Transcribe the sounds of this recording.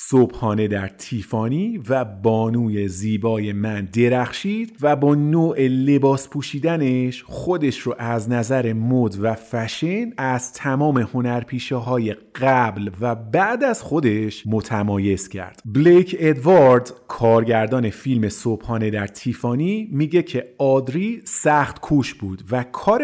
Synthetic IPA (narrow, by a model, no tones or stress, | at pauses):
sobhɒːne̞d̪æɾt̪ʰiːfɒːniːvæbɒːnuːje̞ziːbɒːje̞mænd̪e̞ɾæxʃiːd̪̥væbɒːnoːʔele̞bɒːspʰuːʃiːd̪æne̞ʃχo̞d̪e̞ʃɾoʔæznæzæɾe̞mod̪væfæʃenæz̥t̪ʰæmɒːme̞ho̞næɾpʰiːʃeɦɒːje̞ɡɢæblvæbæʔd̪æz̥xo̞d̪e̞ʃmot̪ʰæmɒːje̞z̥cʰæ̰ɾd̪̥blekʰe̞d̪vɑɾd̪kʰɒːɾɟæɾd̪ɒːne̞filme̞sob̥hɒːne̞d̪æɾt̪ʰiːfɒːnimiːɟe̞cʰe̞ɒːd̪ɾisæxt̪kʰuːʃbuːd̪vækʰɒːɾ